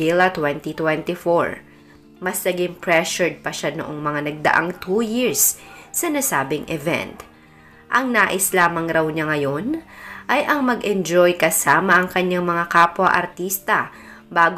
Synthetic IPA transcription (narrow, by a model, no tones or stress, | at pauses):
ɪlɐt̪wɛnt̪it̪wɛnt̪ifoɹ | mɐslɐɡɪmpɹɛʃʊɹd̪̚pɐʃano̰ʔoŋmɐŋanɐɡ̚d̪ɐ̰ʔaŋt̪ujiɹsːɐnasaːbɪŋʔɛvɛ̰nt̪ | ʔɐŋnaːʔɪslaːmɐŋɾɐwɲaŋɐjonʔɐjʔɐŋmɐɡʔɛnd͡ʒojkɐsaːmɐʔɐŋkɐɲːaŋmɐŋakaːpwɐʔɐ̰ɾt̪iːst̪ɐ | baːɡ